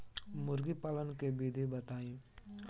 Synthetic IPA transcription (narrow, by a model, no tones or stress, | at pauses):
mʊɾɡipaːlənkebid̪ʱebət̪aːĩ